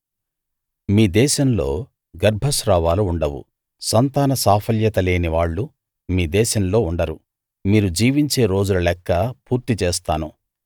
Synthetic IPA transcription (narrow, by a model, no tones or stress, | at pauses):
miːd̪ɛːʃɐmlo̞̰ː | ɡɐɾbʱɐsɾaːʋaːluːɳɖɐwṵ | sɐnt̪aːnɐsaːpʰɐljɐt̪ɐle̞ːniʋaːɭːu | miːd̪ɛːʃɐmlo̞ːuɳɖɐɾu | miːɾud͡ʒiːʋiɲt͡ʃe̞ːɾo̞ːd͡ʒulɐlɛkːɐpuːɾt̪it͡ʃeːs̬t̪aːnu